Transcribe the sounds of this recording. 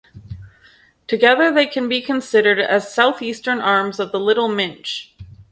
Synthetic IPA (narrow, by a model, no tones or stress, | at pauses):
tʰɨɡɛðə˞ðeɪkʰɨ̃nbikʰɨ̃nsɪɾə˞ɾɨ̰z̥saʊθistə̃˞nɑɹmzʌvðəlɪɾl̩ˠmɪ̃nt͡ʃ